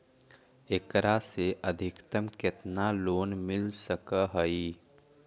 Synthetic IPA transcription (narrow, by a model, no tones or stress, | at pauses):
ekɾaseʔəd̪ʱɪkt̪əmkɪt̪naloːnmɪlsəkəɦəi